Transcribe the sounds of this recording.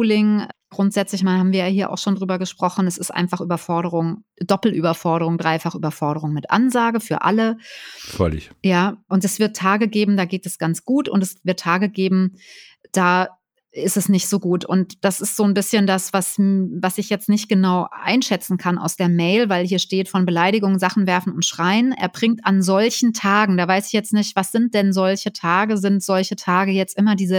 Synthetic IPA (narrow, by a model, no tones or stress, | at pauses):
lɪŋɡ̥ʁʊntz̥ɛt͡slɪçmaːnhaːmviːɐjaːhiːɐʔa̰ʊxʃoːndʁyːbɐɡəʃpʁ̥ɔχn̩ɛsɪstʔa̰ɪnfaχʔyːbɐfɔɐɾəʁʊŋd̥ɔpl̩ʔyːbɐfɔɐɾəʁ̞ʊŋdʁaɪfaχʔy̰ːbɐfɔɐɾəʁ̞ʊŋmɪtʔa̰nzaːɡəfyːɐʔa̰ləfœlɪ̰çjaːʔʊntɛsv̥ɪɐtʰːaːɡəɡeːbm̩daːɡeːtɛsɡ̥ant͡sɡ̥uːtʊ̰ntɛsvɪɐtʰːaːɡəɡeːbm̩ | d̥aː | ɪstɛsnɪçtz̥oːɡuːtʊ̰ntd̥asɪstz̥oːnbɪsçəndasv̥asvasɪçjɛt͡stnɪçt̚ɡ̥ənaʊʔa̰ɪnʃɛt͡sn̩kʰanʔa̰ʊsd̥eːɐmɛɪlvaɪlhiːɐʃteːtfɔnbəlaɪɾɪɡʊŋzaχn̩vɛɐfn̩ʊntʃʁ̥aɪənʔḛːɐbʁɪŋ̚tʔanzɔlçn̩tʰaːɡŋ̩daːvaɪsɪ̥çjɛt͡stnɪçtv̥asz̥ɪnt̚d̥ɛnzɔlçətʰaːɡəzɪntz̥ɔlçətʰaːɡəjɛt͡stʔɪmɐdiːzə